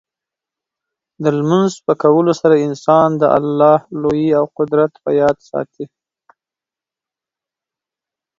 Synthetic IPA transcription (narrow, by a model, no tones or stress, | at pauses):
d̪əlmanzpəkawəlosaɾaɪnsɑnd̪əʔa̰lːɑhlojiawqʊd̪ɾat̪pə̰jɑd̪sɑ̰t̪ʰi